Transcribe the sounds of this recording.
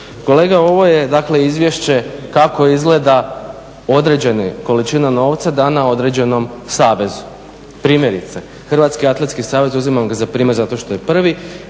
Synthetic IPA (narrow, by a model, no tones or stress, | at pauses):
ko̞le̞ːɡao̞ʋo̞je̞d̪akle̞izʋje̞ʃt͡ɕe̞kako̞izɡle̞d̪a | o̞d̪ɾe̞d͡ʑe̞neko̞lit͡ʃinano̞ːʋt̪sad̪anao̞d̪ɾe̞d͡ʑe̞no̞msaːʋe̞zu̥ | pɾiːmje̞ɾit̪se | xr̩ʋaːt̪skiat̪lˠet̪skisaːʋe̞zuzimamɡazapɾiːmeɾzat̪o̞ʃt̪o̞je̞pr̩ʋi